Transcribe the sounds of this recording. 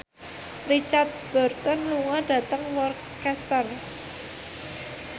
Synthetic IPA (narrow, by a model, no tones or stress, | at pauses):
rit͡ʃart̪̚b̥ɔrt̪ɔnluŋaɖ̥ä̤t̪əŋwɔr | kɛst̪ar